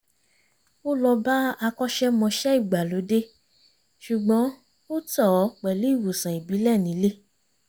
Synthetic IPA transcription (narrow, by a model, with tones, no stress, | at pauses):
o˦lɔ˧ba˦a˧kɔ˦ʃɛ˦mɔ̃˧ʃɛ˦i˦˨ɡ͡ba˨lo˨˦de˦ | ʃu˨ɡ͡bɔ̃˨˦ | o˦tɔ˦˨˦k͡pɛ˨lu˨˦i˦˨wo˨sã˨i˨bi˨˦lɛ˦˨nĩ˨˦le˦